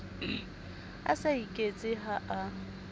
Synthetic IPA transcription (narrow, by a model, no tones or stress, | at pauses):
a̰saikʼet͡sʼɪɦaʔa